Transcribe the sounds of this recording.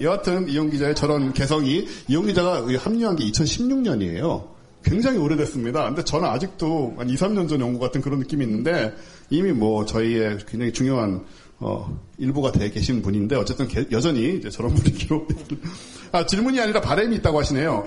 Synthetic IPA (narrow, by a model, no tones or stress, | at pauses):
jeɡatʰɯnijoŋɡid͡ʑae̞t͡ɕʌɾʌnke̞sʰʌŋiijoŋɡid͡ʑaɡahamɲuɦanɡeit͡ɕʰʌnɕʰimɲuŋɲʌɲie̞̰jo | kwe̞ŋd͡ʑaŋioɾjedwes͈ɯmɲidakɯnde̞t͡ɕʌnɯnad͡ʑik̚t͈oanisʰamɲʌnd͡ʑʌnjʌŋɡuɡatʰɯnkɯɾʌnːɯk͈imiːnːɯnde̞ | imimwʌt͡ɕʌie̞kwe̞ŋɲd͡ʑaŋit͡ɕuŋjoɦan | ʌ̰iɭbuɡadwe̞ke̞ɕʰinnpuɲinde̞ʌt͡ɕ͈e̞t͈ɯnkejʌd͡ʑʌɲiːd͡ʑe̞t͡ɕʌɾʌnbuɾiɡiɾo | at͡ɕiɭmuɲiaɲiɾapaɾemiːt͈aɡohaɕʰine̞jo